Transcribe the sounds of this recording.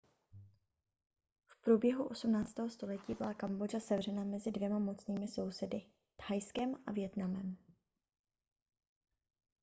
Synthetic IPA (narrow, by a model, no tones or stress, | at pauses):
fpɾobjɛɦuʔo̞sumnaːt͡st̪ɛːɦo̞st̪o̞lɛciːbɪlakambo̞d͡ʒasɛvr̝ɛnamɛzɪdvjɛmamo̞t͡sniːmɪso̞wsɛdɪ | t̪hajskɛmʔa̰vjɛt̪namɛm